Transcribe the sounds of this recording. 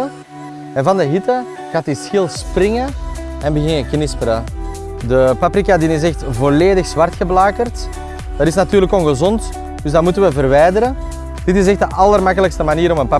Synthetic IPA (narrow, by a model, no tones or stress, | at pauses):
ɛnvɑndəɦitə | ɣatisxɪlˠsprɪŋəɛnbəɣɪŋəknɪspəɾə | dəpapɾikadɪnɪs̬ɛxtvoleːdəxz̥ʋartxəblaːkərt | d̥aɾɪsnatyːɾləkɔnɣəzɔnt | dɵzdatmutənʋəvərʋɛjdəɾə | d̥ɪtɪs̬ɛxtdəʔɑlərmakələkstəmaniːɾɔmənpa